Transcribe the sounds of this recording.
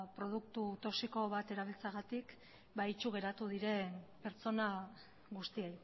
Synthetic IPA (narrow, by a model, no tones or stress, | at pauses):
pɾo̞ð̞uk̚t̪ut̪o̞siko̞βat̪e̞ɾaβ̞ilt͡saɣat̪ik | bait͡ʃuɣ̞e̞ɾat̪uð̞iɾe̞npe̞ɾt͡so̞na | ɣust̪iej